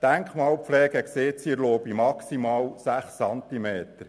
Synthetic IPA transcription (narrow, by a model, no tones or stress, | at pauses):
d̥æŋkχmɑːlpflɛːɡəkseːt̪siɾloːbimɑksimɑːwsæχsɑnt̪imeːt̪əɾ